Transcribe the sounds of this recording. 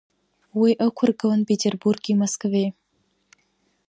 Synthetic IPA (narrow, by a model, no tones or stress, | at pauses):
wijʔəkʷʰʊrɡəwənpʰʲetʲʰerburɡʲimɐskvej